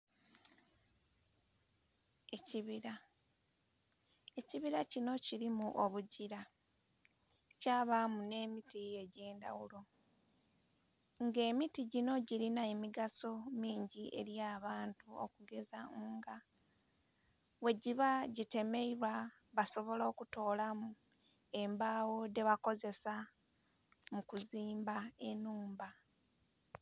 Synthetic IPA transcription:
e̞ciβiɾa | e̞ciβiɾacino̞ciɾimuʔoβuɟiɾa | caːβamune̞ːmitie̞ɟe̞ːnda̰wulo̞ | ŋɡe̞ːmitiɟino̞ɟiɾinaemiɡaso̞miːɲɟiʔe̞̰ɾjaːβaːntuo̰kuɡe̞za̰uːŋɡa | we̞ɟiβaɟite̞me̞iβwa | βaso̞βo̞lo̞ːkuto̞ːlamu | e̞mbaːwo̞de̞βako̞ze̞sa | mukuziːmbae̞nuːmba

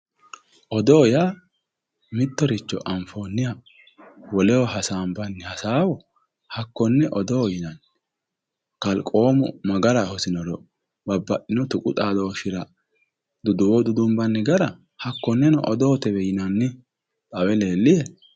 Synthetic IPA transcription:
ʔɔd̪ɔːja | mɪt̪ːɔɾɪt͡ʃːɔ̰ʔɐmfo̞ːnːɪja | wɔlɛwɔhɐsaːmbɐnːɪhɐsaːwɔ | hɐkːɔnːɛʔɔd̪ɔwjɪnɐnː | kɐlkʼo̞ːmʊ̰mɐɡɐɾɐhɔsɪnɔɾɔ | bɐbːɐʔɪnɔt̪ʊkʼʊt̪ʼaːd̪ɔːʃɪɾɐ | d̪ʊd̪ʊwɔd̪ʊd̪ʊmbɐnːɛɡɐɾɐ | hɐkːɔnːɛnɔʔɔd̪ɔːt̪ɛβɛjɪnɐnːɪ | t̪ʼɐwɛle̞ːlːɪjɛ

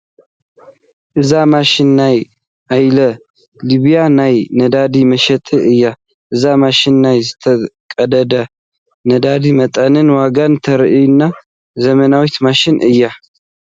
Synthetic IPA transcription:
ʔɨzamaʃɪnːaj | ʔajlə | liβijanajnəd̪ad̪iməʃɛt̪ʼɨʔɨjːa | ʔɨzamaʃɪnːajzɨt̪ʰəkʼəd̪əd̪ə | nəd̪ad̪imət̪ʼənɨnwaɡant̪ʰəɾʔinːa | zəmənawɔt̪maʃɪnʔɨjːa

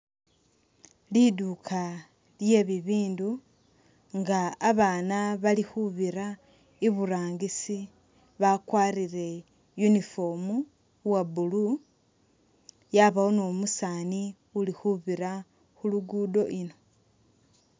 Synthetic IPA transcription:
lidukʰa | ljeβiβiːndu | ŋɡaːβaːnaβalixuβiɾa | iβuɾaːŋɡisi | βakwaːɾiɾe̞ | junifomu | wabulu | jaβaonomusaːni | ulixuβiɾa | xuluɡudo̞ʔino̞

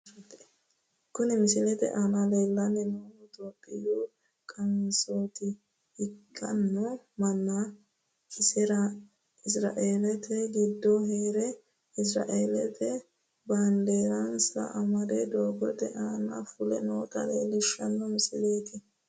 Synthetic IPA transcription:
kʊnɪmɪsɪlɛt̪ɛ̰ʔaːnɐleːlːɐnːɛnoːɔt̪ʼoːpʼːɪjuː | kʼɐnsoːt̪ɪ | hɪkʼːɐnːɔmɐnːɐ | kɪsɛɾɐ | ɪsɾa̰ːʔeːlɛt̪ɛɡɪd̪ːɔɦeːɾɛ | ɪs̬ɾa̰ːʔeːlɛt̪ɛ | band̪eːɾɐnsɐ̰ʔɐmɐd̪ɛd̪oːɡɔt̪ɛʔaːnɐ̰fʊlɛnoːkʼɐ̰leːlɪʃːɐnːɔmɪsɪleːt̪ɪ

